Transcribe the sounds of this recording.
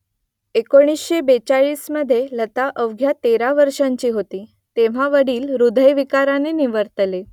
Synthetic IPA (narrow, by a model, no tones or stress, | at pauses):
ekoɽ̃isɕebet͡saɭiːsməd̪ʱːjelət̪aʔəʋɡʱjat̪eɾaʋəɾʂaɲt͡ɕiːɦot̪iː | t̪eʋ̤aʋəɽiːlɾud̪ʱəjʋikaɾaneniʋəɾt̪le